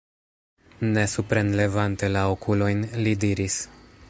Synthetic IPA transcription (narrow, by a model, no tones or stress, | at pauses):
ne̞supɾenle̞vante̞laokulo̞jnlidiɾis